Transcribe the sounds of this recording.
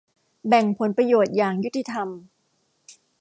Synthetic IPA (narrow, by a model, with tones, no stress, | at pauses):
bɛ˨˩ŋpʰo˨˩˦npɾa˧joː˨˩t̪̚jaː˨˩ŋju˦˥t̪ʰːi˧t̪ʰa˧m